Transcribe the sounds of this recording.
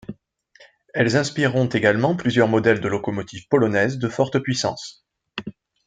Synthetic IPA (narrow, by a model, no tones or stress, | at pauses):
ɛlzɛ̃spiʁɔ̃t̪eɡalmɑ̃plyzjœʁmɔd̪ɛld̪əlɔkɔmɔt̪ʰivpɔlɔnɛzd̪əfɔʁt̪əpɥisɑ̰̃s